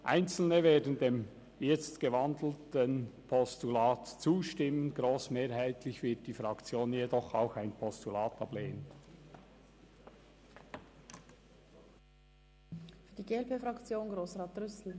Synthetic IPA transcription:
ʔa̰ɪnt͡sl̩nəveːdən̩deːm | jɛt͡stɡ̥əvɑndl̩tənpʰɔstulɑːtt͡suːʃtɪmːənɡ̥ɾoːsmeːɾɦaɪtʰlɪçvɪt̚d̥iːfʁɑkt͡sjoːnjedɔχa̰ʊxaɪnpʰɔstulaːtɑbleːənn | fyːɐdiɡeːɛlpeːfɾɑkt͡sjoːnɡɾoːsʁaːtʁʏsl̩

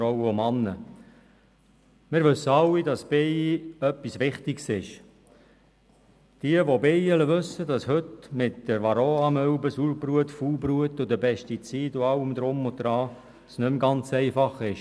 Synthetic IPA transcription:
ɾɔwəomɑnːə | mɪɾʋɵsːəɑlːidɑsb̥ejiœpːisʋɪχtɪɡsɪʃ | d̥iəʋobejələʋɵsːədɑshøtmɪtd̥əɾʋɑɾoːɑmœbəsuːlbɾuətfuːlbɾuətʊd̪əpɛʃtit͡siːdʊɑwəmd̪ɾʊmʊd̪ɾɑː | snʏmɡɑnt͡sɛɪfɑχɪʃ

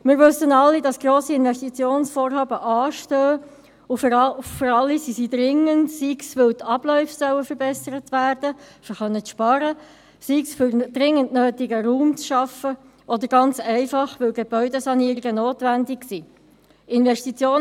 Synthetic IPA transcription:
mɪːɾʋɵsənɑlːidɑsɡ̥roːsiɪnʋɛʃtit͡sjoːnsfoːrhɑːbəʔɑːʃtøː | ʊffəɾɑlːisisidɾɪŋəntsiksʋɵltʰɑb̥lɔʏfsœwəfəɾbɛsəɾətʋæːɾd̥əfəχœnːət͡sʃpɑɾə | siksfʏɾd̥ɾɪŋːəntnøːtiɡəɾuːmt͡sʃɑfə | ʔɔd̪əɾɡɑnt͡sɛɪfɑχʋɵlɡeb̥œʏdesɑniəɾiɡənoːtʋændiksiː | ɪnʋɛʃtit͡sjoː

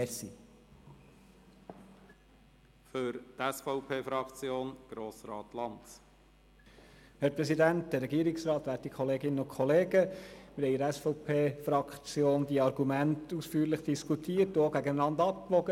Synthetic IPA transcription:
ɛsḭ | føɾt̪ɛsfɔʊpʰeːfɾɑkt͡sjoːnɡ̥ɾoːsɾɑ̰ːt̪lɑnt | hæɾpɾɛsidæntd̪ɛɾɛɡiːɾɪksɾɑːt̪ʋæːɾttikʰχɔleːɡɪnːəʊnkʰɔleːɡəmɪɾhɛjɪɾæsfɔʊpʰeːfɾɑkt͡sjoːnd̥̪iɑɾɡumæntusfyːɾləχd̥iskʰutʰiːəɾtʊoɡæɡənənɑnd̪ɑp̚kʋɔɡə

